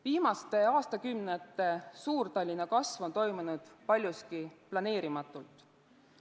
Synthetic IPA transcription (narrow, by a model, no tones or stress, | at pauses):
viːmɑst̪e̞ɑːst̪ɑkymnet̪ːˑe̞suːɾt̪ɑlʲːinɑkɑsvo̞nt̪o̞jmunud̪̥pɑlʲjuskiplɑne̞ːɾimɑt̪ːˑult̪ˑ